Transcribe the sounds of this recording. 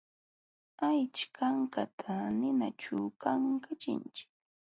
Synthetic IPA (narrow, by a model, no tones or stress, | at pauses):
ajt͡ʃkaŋkat̪ʰanɪnat͡ʃʊkaŋkat͡ʃɪ̰nt͡ʃɪ̥k̚